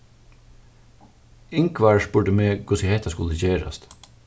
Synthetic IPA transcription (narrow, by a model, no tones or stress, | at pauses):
ɪŋkʋɑːɹʃbʉɖəmeːɡʊsɪhɛt̪ɑskʊləçeːɾɑ̰st̪